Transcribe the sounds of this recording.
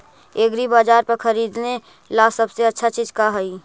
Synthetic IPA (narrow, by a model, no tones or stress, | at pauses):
eɡɾibaːd͡ʒaːɾpəɾkʰəɾiːd̪ne | lasəbseətːʃʰat͡ʃiːd͡ʒkaɦəi